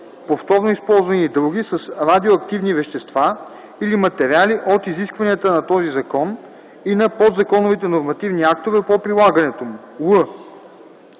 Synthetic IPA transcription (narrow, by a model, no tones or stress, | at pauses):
poft̪ɔɾnoispɔlˠzvɐniːd̪ɾuɡisɐsɾad̪ioɐk̚t̪ivnivɛʃt̪ɛst̪va | ilimɐt̪ɛɾialiʔot̪iziskvɐniət̪ənɐt̪ɔzizɐkɔn | inɐpot̪zɐkɔnovit̪ɛnoɾmɐt̪ivniak̚t̪ovɛpopɾilˠaɡɐnɛt̪omu | lə